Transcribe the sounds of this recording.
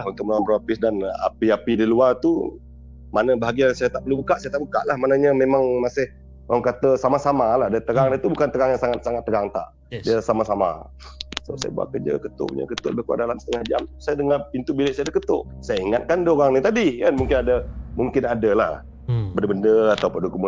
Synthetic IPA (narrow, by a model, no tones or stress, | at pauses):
aɦunt̪ʊkməlawampəɾapɪsdana̰piapidiluart̪u | manəbaɦaɡiasajat̪aʔbəlubukaʔsajat̪aʔbuka̰ʔlahmanaɲəmemaŋmasɪh | oɣaŋkat̪əsamasamalahdət̪əɾaŋnit̪ubukant̪əɾaŋjaŋsaŋat̪̚saŋat̪̚ːəɾaŋt̪a̰ʔ | diəsamasama̰ | səaʔsa̰ja̰bua̰ʔkərd͡ʒa̰kət̪ʊ̰ʔṵɲa̰kət̪ʊʔbahkua̰ʔdalamsə̥t̪əŋahd͡ʒa̰msajadəŋapint̪ubilɪʔsajadəkət̪ʊ̰ʔsajaiŋat̪̚kandəoɾaŋnit̪adikanmuŋkɪnadəmuŋkɪnadalah | bəndəbəndəat̪awpədukumu